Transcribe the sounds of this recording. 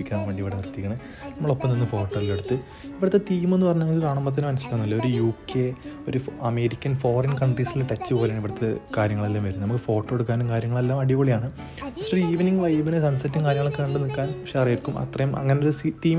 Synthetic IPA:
ikʲːannʋe̞ːɳɖiʋiɽert̪ːikʲːɐɳɐð | nnɐmːɐɭo̞pːɐmninːɨfo̞ːʈːoːileɽut̪ːɨ | iʋiɽɐt̪ːet̪iːmenːɨpɐrɐɲːɐːɡikaːɳɐmbɐt̪̬ːinɨmɐnɐsilɐnːɐlːeoɾujuːkːeo̞ɾuɐme̞ːɾikʲːɐnfo̞ːrɐnkɐɳɖrisileʈɐt͡ɕːɨpo̞ːlejaːɳiʋiɽɐt̪ːekaːɾjɐŋːɐɭelːaːmʋɐɾunːnɐmukːɨfo̞ːʈːoɽukːaːnumkaːɾjɐŋːɐɭe̞lːaːmɐɽikoːɭijaːɳɨ | bɐsɐɾiːʋniŋɡʋɐjʋinɨsɐnsɐtːiŋkaːɾjɐŋːɐɭo̞kːeeɳɖɨnikːaːnɐkʂeɐrijiɾkːumɐ̰t̪rɐjumɐ̰ŋːɐneoɾusit̪iːm

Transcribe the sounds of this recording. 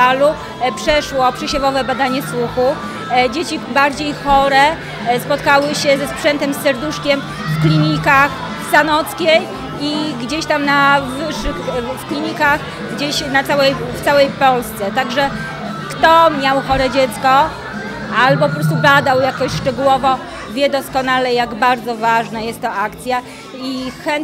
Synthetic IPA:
alu | pʂɛʂwɔpʂɛɕɛvɔvɛbad̪aɲɛswuxu | d͡ʑet͡ɕibaɾd͡ʑejxɔɾɛ | spɔt̪kawɘɕɛzɛspʂɛnt̪ɛmsːɛɾd̪uʂkʲɛm | fklʲiɲikax | sanɔt̪skʲej | iɡd͡ʑeɕt̪amnavɘʂːɘxfklʲiɲikax | ɡd͡ʑeɕnat̪sawɛjft̪sawɛjpɔlst̪sɛt̪aɡʐɛ | kt̪ɔmʲjawxɔɾɛd͡ʑɛt̪skɔ | albɔpɔpɾɔst̪ublad̪awjakɔɕʂt͡ʂɛɡuwɔvɔ | vʲjɛd̪ɔskɔnalɛjaɡbaɾd̪zɔvaʐnajɛst̪ːɔakt̪sʲja | ixɛn

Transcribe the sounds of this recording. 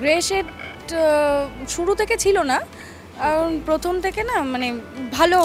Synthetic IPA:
ɡɾeʃeɾ | ʃuɽut̪ʰeket͡ɕʰilona | anpɾot̪ʰomt̪ʰekenamanebʱalo

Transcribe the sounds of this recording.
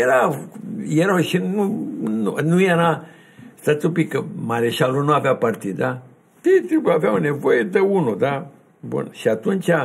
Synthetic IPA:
jeɾa | jeɾawʃinununujaɾa | t̪at̪upikəmaɾeʃalunuavjapart̪id̪a | t̪it̪ɾipuavjawnevojed̪əunud̪a | bṵnʃiat̪unt͡ʃʲa

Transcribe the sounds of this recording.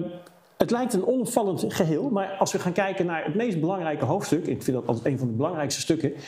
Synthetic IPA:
ətlɛjk̚tənɔnɔpfɑlˠəntχəɦɪːlˠmaːɹɑlˠsʋəχaːnkɛjkənaːɹətmejsd̚bəlɑŋrɛjkəɦowftstɵkɛnɪkfɪndɑtɑlˠtətejnvɑndəbəlɑŋrɛjkstə̥stɵkə

